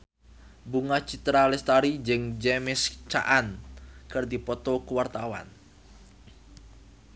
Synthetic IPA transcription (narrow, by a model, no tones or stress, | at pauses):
buŋat͡ʃit̪ɾalɛst̪aɾid͡ʒəŋd͡ʒɛmɛst͡ʃa̰ʔankɨrd̪ipɔt̪ɔkuwart̪awa̰n